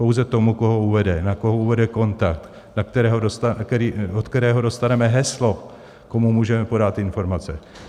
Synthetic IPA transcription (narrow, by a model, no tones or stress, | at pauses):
po̞wzɛt̪o̞muko̞ɦouvɛdɛnako̞ɦouvɛdɛko̞nt̪ak̚t̪ | nak̚t̪ɛɾɛːɦodost̪aɛɾiʔot̪kt̪ɛɾɛːɦodo̞st̪anɛmɛɦɛslo̞ | ko̞mumuːʒɛmɛpo̞dat̪ɪnfo̞ɾmat͡sɛ